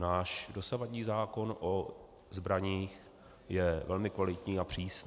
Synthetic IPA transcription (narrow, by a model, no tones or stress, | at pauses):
naːʃdo̞savaɟɲiːzaːko̞nʔo | zbɾaɲiːx | jɛvɛlmɪkvalɪt̪ɲiːapr̝̥iːsn